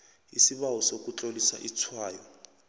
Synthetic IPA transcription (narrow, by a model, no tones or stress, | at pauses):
isiβawɔsok̬ʼut͡ɬʼolisa̰ʔit͡sʰwaːjɔ